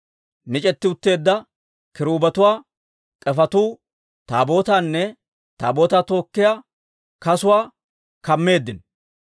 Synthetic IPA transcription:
mɪt͡ʃʼɛt̪ːɪʊt̪ːe̞ːd̪ːɐ | kɪɾuːbɐt̪ʊwaː | t̪ʼɛfɐt̪uː | t̪a̰ːbo̞ːt̪aːnːɛ | t̪a̰ːbo̞ːt̪aːt̪o̞ːkːɪja | kɐsʊwaː | kɐmːe̞ːd̪ːɪn

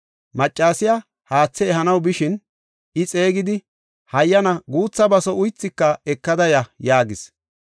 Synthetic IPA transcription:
mɐt͡ʃʼːaːsɪja | haːt͡sːɛːɦɐnɐwbɪʃɪn | ɪt͡sʼe̞ːɡɪd̪ɪ | hɐjːɐnɐɡuːt͡sːɐbɐsɔʊjt͡sːɪkːɐɛkːɐd̪ɐjɐjaːɡɪs

